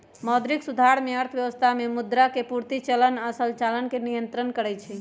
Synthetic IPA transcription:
mɔːd̪ɾiksud̪ʱaɾmeəɾt̪ʰəʋjəʋəst̪ʰamemud̪ɾakepuɾt̪it͡ʃələnasəlt͡ʃalənkenijənt̪ɾənkəɾɛt͡ʃʰɛ

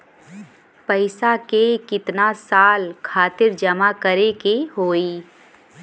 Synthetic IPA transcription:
pəɪsakekɪt̪nasaːlkʰaːt̪ɪɾd͡ʒɐmakəɾekeɦoːiː

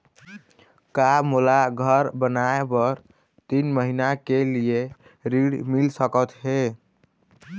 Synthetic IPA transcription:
kamulaɡʱəɾbənaebəɾ | t̪inməɦinakelije | ɾiɽmilsəkət̪ɦe

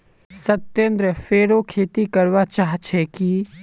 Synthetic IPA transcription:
sɐt̪ːẽnd̪ɾəfeːɾokʰeːt̪ikɐɾʋat͡ʃaːɦt͡ʃʰɛki

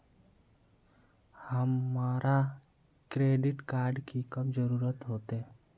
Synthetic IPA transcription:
həmːaːɾa | kɾeːɖɪʈkaːɾɖkikɐbd͡ʒəɾuːɾət̪ɦoːt̪e

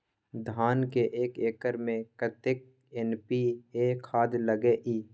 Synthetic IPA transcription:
d̪ʱaːnkeʔeːkeːkəɾmẽkət̪ek̚ | ɛnpieːkʰaːd̪ləɡeʔiː

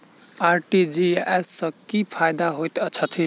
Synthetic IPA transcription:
aɾʈid͡ziesːʌkipʰajd̪aɦojt̪ʌt͡sʰʌt̪ʰi

